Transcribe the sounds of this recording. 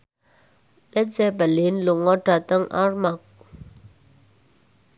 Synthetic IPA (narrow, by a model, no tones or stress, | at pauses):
let͡sɛːpalenluŋɔʈ͡ʂat̪aŋʔa̰ɹmak̚